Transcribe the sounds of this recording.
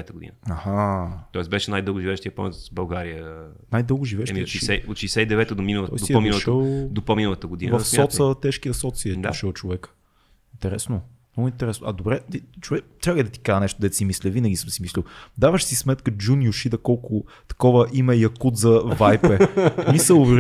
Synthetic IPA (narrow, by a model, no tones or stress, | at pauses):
ɛt̪əɡod̪ḭnəɐhat̪ɔɛsbɛʃɛnajd̪ɤlˠɡʊʒivɛʃt̪ʲiəpɔ̰mɛt̪zbɐlˠɡaɾiə | najd̪ɤlˠɡʊʒivɛʃɛiʃsɛot̪ʃɛjsɛid̪ɛvɛt̪əd̪ominəlˠət̪ɔ̰jsd̪iominlˠʃt̪əlˠd̪opominəlˠət̪əɡod̪invɐffsmʲɔt̪sət̪ɛʃkiəsɔt̪siɛd̪uʃəlˠt͡ʃovɛkə̥ | int̪ɛɾɛsno | mnɔɡʊint̪ɛɾɛsnoʔɐd̪obɾɛit͡ʃovɛk̚t̪ɾʲaɡɛd̪ɐt̪i̥kaənɛʃt̪ʊd̪ɛt̪simislʲɛvinəɡʲisɤmsimislʲiwˠd̪avəʃsismɛt̪kəd͡ʒunjʊʃid̪ɐkɔlˠkʊ | t̪ɐ̥kɔvəʔimɛjɐkut̪zɐvajpɛmisəlˠv